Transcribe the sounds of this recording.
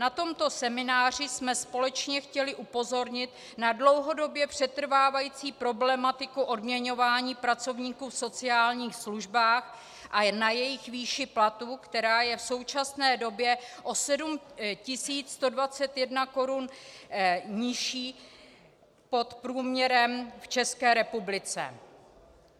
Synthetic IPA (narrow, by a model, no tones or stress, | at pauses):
nat̪o̞mt̪o̞sɛmɪnaːr̝ɪsmɛspo̞lɛt͡ʃɲɛxcɛlɪʔupo̞zo̞ɾɲɪt̪ | nadlo̞wɦo̞do̞bjɛpr̝̥ɛt̪r̩vaːvajiːt͡siːpɾo̞blɛmat̪ɪkuʔodmɲɛɲo̞vaːɲiːpɾat͡so̞vɲiːkuːfso̞t͡sɪaːlɲiːxsluʒbaːx | ʔanajɛjɪxviːʃɪplat̪uːkt̪ɛɾaːjɛfso̞wt͡ʃasnɛːdo̞bjɛʔo̞sɛdumcɪsiːt͡sst̪o̞dvat͡sɛt̪jɛdnako̞ɾun | ɲɪʃiː | po̞t̪pɾuːmɲɛɾɛmft͡ʃɛskɛːɾɛpublɪt͡sɛ̰